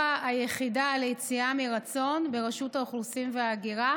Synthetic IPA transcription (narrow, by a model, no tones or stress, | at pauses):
aːjeχidaːlejt͡siamiʁat͡so̞nbe̞ʁaʃutauχlusimveaːɡiʁa